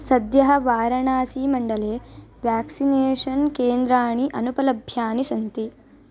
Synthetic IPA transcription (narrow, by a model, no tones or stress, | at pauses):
sɐd̪jɐɦɐʋaːɾɐɳaːsiːmɐɳɖɐleːʋjaːksineːʂɐnkeːnd̪ɾaːɳiʔɐnupɐlɐbʱjaːnisɐnt̪i